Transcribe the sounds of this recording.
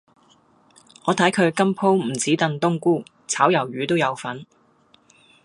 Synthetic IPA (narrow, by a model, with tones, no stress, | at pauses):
ŋɔː˨˧t̪ʰɐ˨˥jkʰɵ˨˧ɥkɐ˥mpʰo˥wm̩˨˩t͡siː˨˥t̪ɐ˧nt̪ʊ˥ŋkuː˥ | t͡sʰaː˨˥wjɐ˨˩wɥyː˨˧t̪o˥wjɐ˨˧wfɐ˨˥n